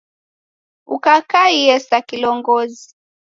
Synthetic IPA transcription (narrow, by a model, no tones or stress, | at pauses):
ukakaiɛsakilɔŋɡɔzi